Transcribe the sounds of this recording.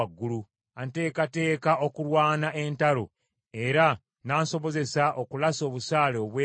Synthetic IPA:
ɡːulu | ante̞ːkate̞ːkao̞kuɾwaːnaʔe̞ntalo̞ | e̞ɾa | naːnso̞βo̞ze̞saʔo̞kulaso̞ːβusaːleoβweː

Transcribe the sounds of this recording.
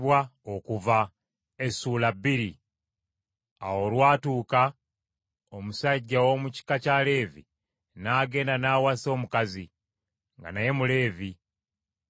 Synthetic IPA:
βwaokuva | esuːlabːiɾi | a̰wo̞lwaːtuːka | omusaɟːawo̞muci̥kacale̞ːvḭ | naːɡe̞ːndanaːwaso̞ːmukazi | ŋɡa̰naje̞mule̞ːvi

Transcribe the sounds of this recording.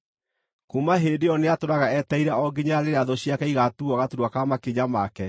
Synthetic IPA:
kumaɦeːdeɔneatoɾaɣaɛtaiɾɛɔɡeɲaaɾeɾeaðoɕiakɛiɣatuaɣatuɾwakamakeɲamakɛ

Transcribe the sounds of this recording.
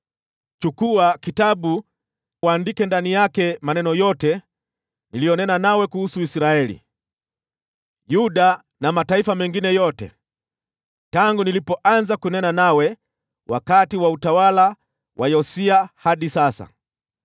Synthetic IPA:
t͡ʃukuakitaɓu | waːndikɛndanijakɛmanɛnɔjɔtɛ | nilijɔnɛnanawɛkuhusuisɾaɛlḭ | juɗa | namataifamɛŋɡinɛjɔtɛ̰ | taŋɡunilipɔʔanzakunɛnanawɛ | wa̰katiwautawala | wajɔsiahaɗisasa̰

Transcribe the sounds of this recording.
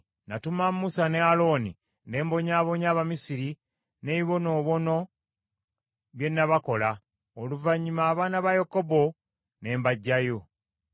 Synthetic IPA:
natumamːusanealo̞ni | ne̞ːmbo̞ɲaːβo̞ɲaːβamisiɾi | ne̞βiβo̞no̞ːβo̞no̞ | βje̞nːaβako̞la | oluvaɲːimaːβaːnaβajekobo̞ | ne̞ːmbaɟːajo̞

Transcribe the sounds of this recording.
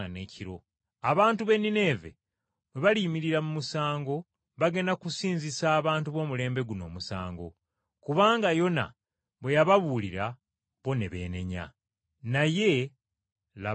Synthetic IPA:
ane̞ːciɾo̞̰ | aβaːntuβe̞nine̞ːve̞̰ | βwe̞βalimiɾiɾamumusaːŋɡo̞ | βaɡe̞nakusiːnzisaːβaːntuβo̞ːmule̞ːmbe̞ɡuno̞̰ːmusa̰ːŋɡo̞̰ | kuβaːŋɡajo̞na̰ | βwe̞jaβaβuliɾa | βo̞ne̞βe̞̰ːne̞̰ɲa̰ | naje̞ | la

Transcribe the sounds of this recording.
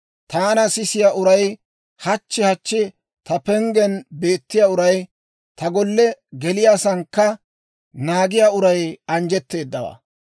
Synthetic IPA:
t̪aːnɐsɪsɪjaːʔʊɾɐj | hɐt͡ʃːɪhɐt͡ʃːɪ | t̪ɐpɛŋɡɛnbe̞ːt̪ːɪjaːʊɾɐj | t̪ɐɡɔlːɛɡɛlɪjaːsɐŋkːɐ | naːɡɪjaːʊɾɐjɐnd͡ʒɛt̪ːe̞ːd̪ːɐwa̰ː

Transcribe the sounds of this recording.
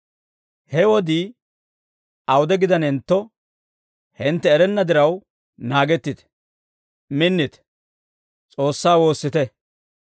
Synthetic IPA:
hɛwɔd̪iː | ɐwʊd̪ɛɡɪd̪ɐnɪnt̪ːɔ | hɪnt̪ːɛːɾɛnːɐd̪ɪɾɐw | naːɡɛt̪ːɪt̪ɛ̥ | mɪnːɪt̪ɛ̥ | t͡sʼo̞ːsːaːwo̞ːsːɪt̪ɛ

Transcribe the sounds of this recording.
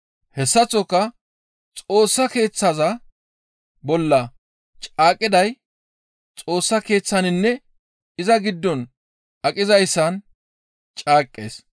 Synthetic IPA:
hɛsːɐt͡sːɔkːɐ | t͡sʼo̞ːsːɐke̞ːt͡sːɐzɐ | bɔlːɐ | t͡ʃʼaːkʼːɪd̪ɐj | t͡sʼo̞ːsːɐke̞ːt͡sːɐnɪnːɛ | ɪzɐɡɪd̪ːɔn | ʔɐkʼɪzɐjsːɐn | t͡ʃʼaːkʼːḛːs

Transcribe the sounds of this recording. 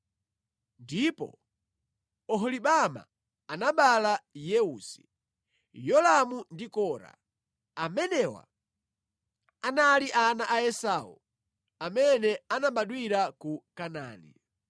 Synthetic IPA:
ndipɔ̰ | ɔɦɔliɓama̰ | anaɓalajɛuːsi̥ | jɔlamundikɔːɾa̰ | amɛnɛwa̰ | analiʔanaʔaɛsaːṵ | amɛnɛanaɓaɗwiɾakukana̰ːnḭ

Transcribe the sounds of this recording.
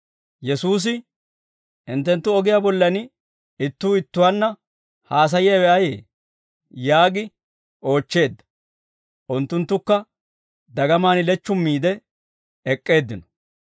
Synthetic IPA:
jɛsuːs̬ɪ | ɪnt̪ːɛnt̪ːʊɔɡɪjaːbɔlːɐn | ɪt̪ːuːɪt̪ːʊwɐnːɐ | haːs̬ɐjɪjɐwɛʔɐjḛː | jaːɡɪ | ʔo̞ːt͡ʃːe̞ːd̪ːɐ̥ | ʔʊnt̪ːʊnt̪ːʊkːɐ | d̪ɐɡɐmaːnɪlɛt͡ʃːʊmːiːd̪ɛ | ɛkʼːe̞ːd̪ːɪnɔ̥

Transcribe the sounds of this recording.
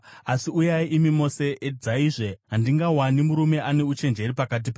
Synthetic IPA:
asiujaiʔimimo̞se̞ʔed͡zaiʐe̞ɦandiŋɡawanimuɾume̞ʔane̞ut͡ʃe̞nd͡ʒe̞ɾipakat̬ipa

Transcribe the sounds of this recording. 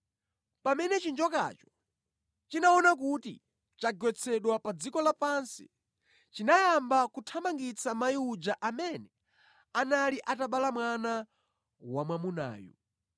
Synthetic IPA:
pamɛnɛt͡ʃind͡ʒɔka̰t͡ʃɔ̥ | t͡ʃinaɔnak̬utḭ | t͡ʃaɡwɛt͡sʰɛɗwapad͡zikɔlapansḭ | t͡ʃinajambakutʰamaŋɡit͡sʰamajiud͡ʒaʔamɛnɛ | analiʔataɓalamwana | wamwamuna̰ːjṵ

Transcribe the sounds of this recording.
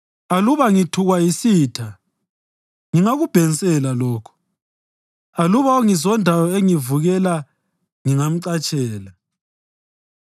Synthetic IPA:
aluβaŋitʰuɣwaisiːtʰa | ŋiŋaɣub̥ʱenisʼɛlalɔːkʰɔ̥ | aluβaoŋizɔndʱawɔeŋivuɣɛla | ŋiŋam̩ǀat͡ʃʼʰɛːla

